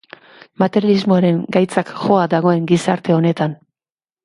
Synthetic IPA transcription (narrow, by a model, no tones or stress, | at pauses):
mat̪eɾjalizmoaɾe̞ŋɡajt͡sakxo̞ad̪aɣ̞o̞e̞ŋɡisaɾt̪e̞o̞ne̞t̪an